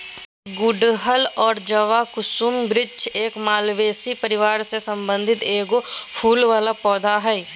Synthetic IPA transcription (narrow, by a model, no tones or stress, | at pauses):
ɡʊɖɦəlɔːɾd͡ʒəʋakʊsumbɾɪt͡ʃeːkmaːlʋeːsipəɾɪʋaːɾsesə̃mbə̃nd̪ʱɪt̪eːɡopʰuːlʋaːlapɔːd̪ʱaɦɛi